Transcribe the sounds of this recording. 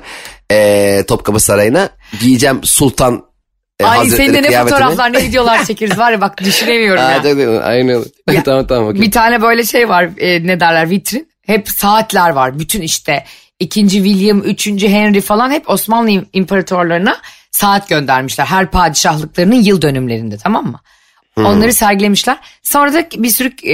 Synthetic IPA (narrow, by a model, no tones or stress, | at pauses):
ɛːt̪ʰo̞p̚kʰabasaɾajɯna | ijid͡ʒæmsulˠt̪ʰan | ajazɾɛenɛnɛovtʰoɾaflˠaɾnɛvid̪ejo̞lˠaɾt͡ʃʰe̞cʰiɾizvaɾvabak̚d̪yʃinemijo̞ɾmjad͡ʒakd̪a̰ʔa̰jnlˠt̪ammt̪ʰamokbit̪ʰaːnɛbø̞jlʲɛʃejvaɾned̪æɾlʲæɾvit̪ʰɾin | hɛpsaːt̪ʰlʲæɾvaɾbyt̪ʰyniʃt̪ʰɛ | icʰind͡ʒivilʲjɯmyt͡ʃʰynd͡ʒyɦɛnɾifalˠanhɛpʰo̞smanlˠɯimpʰeɾat̪ʰø̞ɾlˠaɾɯna | saːt̪ɟø̞nd̪æɾmiʃlʲæɾɦæɾpʰaːd̪iʃahlˠɯk̚lˠaɾɯnɯnjɯlˠd̪ø̞nymlʲe̞ɾind̪ɛt̪ʰamamːɯ | o̞nlˠaɾɯsæɾɟilʲe̞miʃlʲæɾ̥so̞nɾad̪abiɾsyɾyc